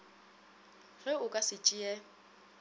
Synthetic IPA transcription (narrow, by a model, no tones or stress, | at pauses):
ɣɛʊkʼasɪt͡ʃʼɪjɛ